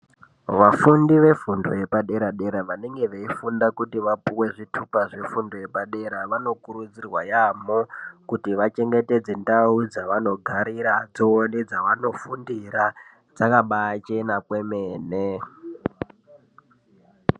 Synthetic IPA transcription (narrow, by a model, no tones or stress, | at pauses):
ʋafundiʋe̞fundo̰je̞paɗe̞ɾaɗe̞ɾaʋane̞ŋɡe̞ʋeifundakutiʋapuwe̞ʐitʰupaʐe̞fundoje̞paɗe̞ɾaʋano̞kuɾud͡zirwajamokutiʋat͡ʃe̞ŋɡe̞te̞d͡zendaud͡zaʋano̞ɡʱaɾiɾad͡zoonid͡zaʋano̞fundiɾa | d͡zakaɓat͡ʃenapwemeːne